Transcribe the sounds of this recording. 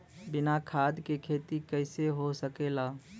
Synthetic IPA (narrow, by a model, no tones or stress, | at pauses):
bɪnakʰad̪kekʰet̪ikəɪseɦosəkela